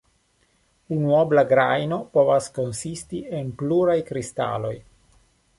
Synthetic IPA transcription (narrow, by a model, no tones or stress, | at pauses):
unuoblaɡɾajno̞po̞vasko̞nsistienpluɾajkɾista̰lo̞j